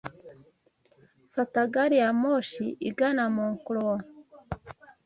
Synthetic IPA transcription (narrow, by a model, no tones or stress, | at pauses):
sataɡaɾijamoʃiʔiɡanamuːŋkulowa